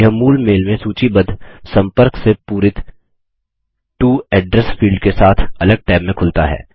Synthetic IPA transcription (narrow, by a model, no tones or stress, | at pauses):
ɦəmuːlmeːlmẽsuːt͡ʃibɐd̪ʱsɐ̃mpəɾksepuːɾɪt̪ | ʈuːɛːɖɾɛsfiːlɖkesaːt̪ʰɐləɡ̚ʈaːmːẽkʰʊlt̪aɦɛ̰ː